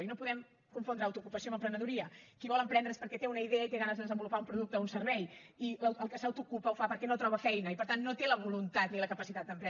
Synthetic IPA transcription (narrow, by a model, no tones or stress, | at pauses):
inopuðɛm | kuɱfond̪ɾəawt̪ukupəsioməmpɾənəðuɾiəkiβɔlˠəmpɾɛnd̪ɾəspəɾkɛt̪eunəiðeəit̪eɣanəzðəðəzəmbulupaumpɾuðuk̚t̪əunsərβɛj | iəwəlˠkəsəwt̪ukupəufapəɾkɛnot̪ɾɔβ̞əfɛjnəipəɾt̪anːot̪eləβulunt̪at̪niləkəpəsit̪at̪̚d̪əmpɾɛ